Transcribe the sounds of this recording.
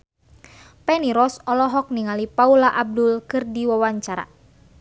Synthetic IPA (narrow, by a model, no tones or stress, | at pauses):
pɛniɾɔsɔlɔɦɔk̚niŋalipaulaʔab̚dʊlkɨrdiwawaɲt͡ʃaɾa̰